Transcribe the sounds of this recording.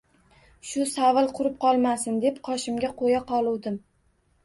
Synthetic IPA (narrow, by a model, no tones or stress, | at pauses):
ʃʊsavɨlˠqʰʊɾɪp̚qʰɒlˠmasɪnd̪e̞pqʰɒʃɪmɡʲaqʰojaqʰɒlˠuwd̪ɪm